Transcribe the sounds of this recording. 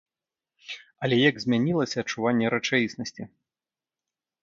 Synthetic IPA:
ɐlʲɛjaɡzʲmʲanʲilˠɐsʲɐːt͡ʂːuvanʲːɛɾɐt͡ʂajʲisnɐsʲt͡sʲi

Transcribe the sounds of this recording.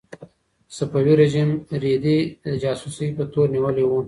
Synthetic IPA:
sapawiɾed͡ʒimɾid̪idəd͡ʒɑːsusipət̪oɾniwəlewu

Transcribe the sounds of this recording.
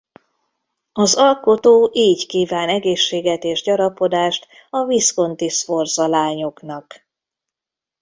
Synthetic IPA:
ɒzɒlko̞t̪oːʔiːɟkiːvaːnɛɡeːʃːeːɡɛt̪eːʒɟɒɾɒpo̞d̪aːʃt̪ | ɒvisko̞nt̪isfo̞rzɒlaːɲo̞knɒk

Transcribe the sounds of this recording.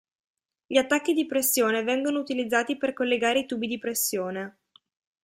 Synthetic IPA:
ʎiat̪ːakːid̪ipɾesːjoːnevɛŋɡonout̪ilid̪zːaːt̪iperkolːeɡaːɾeit̪uːbid̪ipɾesːjoːne

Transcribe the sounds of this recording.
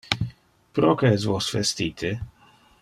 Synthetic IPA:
pɾokɛzvosfɛst̪it̪ɪ

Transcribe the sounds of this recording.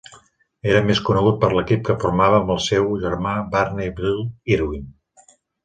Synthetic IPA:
eɾəmeskunəɣ̞ut̪̚pəɾləkip̚kəfuɾmaβəːməlˠsewʒəɾmabarnebɾilˠiɾuin

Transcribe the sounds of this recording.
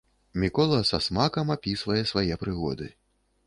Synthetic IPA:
mʲikɔlˠɐsasmakɐmapʲisvɐjɛsvajɛpɾɨɣɔ̰d̪ɨ

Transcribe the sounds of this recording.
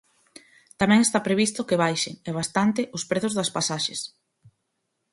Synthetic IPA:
t̪amɛ̃ŋest̪apɾeβist̪ʊkɪβajʃɪ̰ŋɛβ̞ast̪ant̪ɪʔʊspɾeθʊzðɐspasaʃes

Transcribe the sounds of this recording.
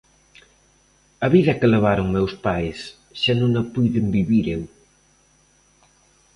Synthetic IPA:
ɐβiðɐkeleβ̞aɾoŋmewspajs | ʃanõŋɐpujðembiβiɾew

